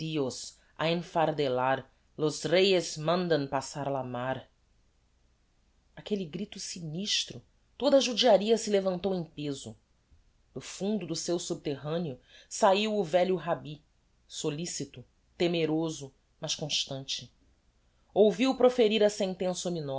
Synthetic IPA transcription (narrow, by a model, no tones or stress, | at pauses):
ios | a̰ẽfaɾd̪elaɾ | lozɾejezmɐ̃nd̪ɐ̃pasaɾalamaɾ | akeliɡɾit̪ʊsiniʃt̪ɾʊ | t̪od̪ɐʒud͡ʒiaɾiɐsɪlevɐ̃nt̪owẽj̃pezʊ̰ | d̪ʊfũnd̪ʊd̪ʊsewsub̚t̪eɦɐ̃niʊsaiwʊvɛʎʊɦabi | solisit̪ʊ | t̪emeɾozʊ | mɐʃkõʃt̪ɐ̃nt͡ʃɪ | owviwpɾofeɾiɾɐsẽnt̪ẽsɐominɔ